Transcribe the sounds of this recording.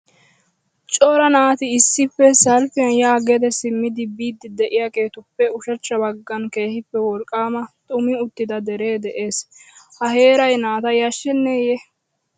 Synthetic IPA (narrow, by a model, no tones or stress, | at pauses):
t͡ʃʼɔɾɐnaːt̪ɪɪsːɪpːɛsɐlfɪjɐnjaːɡɛd̪ɛsɪmːɪd̪ɪbiːd̪ːɪd̪ɛʔɪjake̞ːt̪ʊpːɛʊʃɐt͡ʃːɐbɐɡːɐnke̞ːhɪpːɛwɔɾkʼːaːmɐt̪ʼʊmɪʊt̪ːɪd̪ɐd̪ɛɾe̞ːd̪ɛʔe̞ːshɐhe̞ːɾɐjnaːt̪ɐjɐʃːɛnːeːjɛ